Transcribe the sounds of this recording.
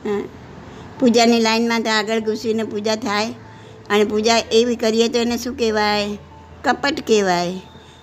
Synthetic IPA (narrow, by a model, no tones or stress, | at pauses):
ɦa | pud͡ʒanilaɪnmãt̪oaɡəɭɡʊsinepud͡ʒat̪ʰae | ənepud͡ʒaʔeʋikəɾiɦet̪oenesũkeʋaɦe | kəpəʈkeʋaɦe